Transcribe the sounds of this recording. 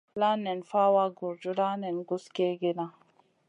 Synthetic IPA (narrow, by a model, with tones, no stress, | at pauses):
la˦nɛ˨nfa˦wa˦ɡu˨ɾd͡ʒu˦la˦nɛ˨nɡu˦ske˦ɡe˦na˦